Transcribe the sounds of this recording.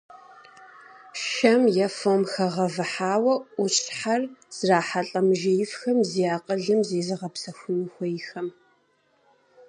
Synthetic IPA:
ʃɐmjɛfomxɐʁɐvɨħaːwɐʊɕʼħarz̥raːħaɬʼɐmɨʒɐjɪfxɐmzijaːqʼəɮɨmzeːzɨʁɐpsɐxʷʊnɨxʷɔjɪxɐm

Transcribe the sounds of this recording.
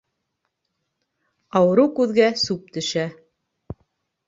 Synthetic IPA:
ɑwɤ̆ɾɤwkʉðɡæsʉp̚t̪ɵ̆ʃæ

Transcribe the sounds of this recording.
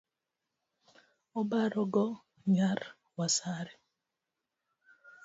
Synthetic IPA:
ɔbaɾɔɡɔ | ɲar | wasaɾɛ

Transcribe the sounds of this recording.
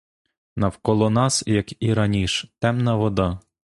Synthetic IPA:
nɐwkɔlˠɔnɑsjɐkiɾɐnʲiʃt̪ɛmnɐʋɔd̪ɑ

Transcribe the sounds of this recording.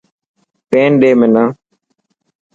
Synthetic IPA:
peːnɗeːmẽːnãː

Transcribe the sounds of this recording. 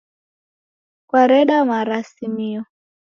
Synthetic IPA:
kwaɾɛɗamaɾasimiɔ

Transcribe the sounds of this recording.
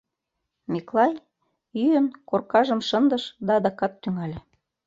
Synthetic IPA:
miklɑj | yjənkorkɑʒə̆mʃənd̪əʃd̪ɑːd̪ɑkɑt̪ːyŋælʲĕ

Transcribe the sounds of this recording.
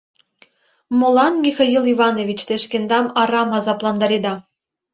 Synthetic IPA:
mŏlˠɑnmʲixɑjilˠivɑnovʲit͡ɕt̪eʃkend̪ɑmɑɾɑmɑzɑplˠɑnd̪ɑɾed̪ɑ

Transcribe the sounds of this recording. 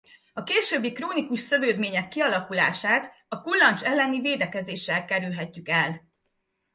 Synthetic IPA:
ɒkeːʃøːbːikroːnikuʃsø̞vøːd̪meːɲɛkːiɒlɒkula̰ːʃaːt̪ | ɒkulːɒnt͡ʃɛlːɛniveːd̪ɛkɛzeːʃːɛlkɛɾylɦɛcːykɛl

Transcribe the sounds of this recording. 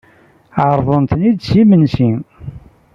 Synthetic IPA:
ʕəɾˤðˤənt̪nid̪simənsi

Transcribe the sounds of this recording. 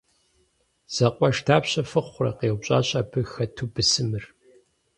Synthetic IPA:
z̥ɐqʷʼɔʂtʰaːpɕɐfɨχʷʊrɐ̰qeːwʷɕʼa̰ːɕʼaːbʰɨxɐtʰubɨsɨmɨr

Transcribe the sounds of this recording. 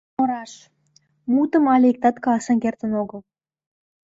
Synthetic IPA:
oɾɑʃ | mut̪ə̆mɑlʲeik̚t̪ɑt̪kɑɑsɑnkert̪ə̆noɣə̆lˠ

